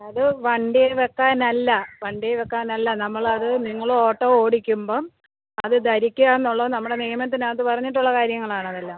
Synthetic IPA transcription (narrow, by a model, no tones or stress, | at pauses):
ɐðɨʋɐɳɖijeʋekːaːnɐlːɐʋɐɳɖijeʋekːaːnɐlːɐnɐmːɐɭɐðɨniŋːɐɭoːʈːoːo̞ːɽikʲːumbo̞ː | ɐðɨd̪ɐɾikʲːujaːnːuɭːonɐmːuɽe̞nijɐmɐt̪ːinaːt̪ːɨpɐrɐɲːiʈ̬ːuɭːɐkaːɾjɐŋːɐɭaːɳɐðɐlːaːm